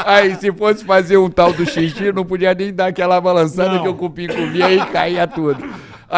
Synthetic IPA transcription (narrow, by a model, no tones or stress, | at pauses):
aisɪfosɪ̥fazeɾũt̪awd̪ʊʃiʃĩnɐ̃w̃pod͡ʒiɐnẽj̃d̪aɾkɛlɐabalɐ̃sad̪ɐkɪewkupĩkũvĩɐikaiɐt̪ud̪ʊ | a